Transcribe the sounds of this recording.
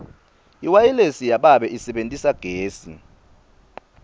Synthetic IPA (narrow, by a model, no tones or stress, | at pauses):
iwajilesijaɓaɓɛʔisɛɓentʼisaɡ̥ʱeːsḭ